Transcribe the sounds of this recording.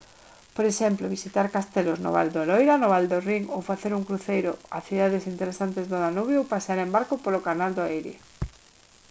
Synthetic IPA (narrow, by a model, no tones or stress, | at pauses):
poɾeʃɛmploβisit̪aɾkast̪elozno̰βa̰ld̪olojɾanoβald̪oriŋowfaθeɾuŋkɾuθejɾʊa̰θiðaðesint̪eɾesant̪ezðonanuβjowpaseaɾẽmbaɾkopolokanald̪oaɛjɾɪ̰